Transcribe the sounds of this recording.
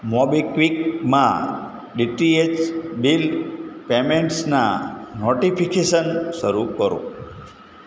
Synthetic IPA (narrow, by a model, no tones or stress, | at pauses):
mɔbikʋik̚mã̰ | ɖiʈiet͡ʃbilpemeɳʈsna̰noʈipikeʃənʃəɾukəɾõ̰